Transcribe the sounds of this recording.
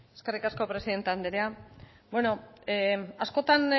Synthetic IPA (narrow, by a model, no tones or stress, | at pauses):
eskerikasko̞pɾe̞siðe̞nt̪eand̪eɾea | bweno̞ | asko̞t̪an